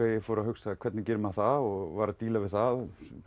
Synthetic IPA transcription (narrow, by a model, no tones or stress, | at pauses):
ejɪfoːɾahʏxsakʰvɛt̪nɪcɪɾmaθaðɔɣvaːɾat̪iːlavɪðθað